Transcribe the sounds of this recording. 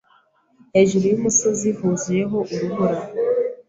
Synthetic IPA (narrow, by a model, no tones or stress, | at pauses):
eʒuɾijumusozihuzijeɦoʔuɾuɡuɾa